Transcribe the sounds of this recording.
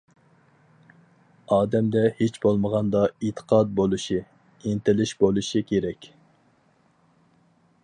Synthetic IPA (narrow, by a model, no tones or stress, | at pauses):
ɑːd̪ɛmd̪ɛhet͡ʃbolˠməʁɑnd̪ɑit̪ʰə̥qʰɑd̪̚bolˠuʃi | int̪ɪlɪʃbolˠuʃikʲʰeɾɛkʲ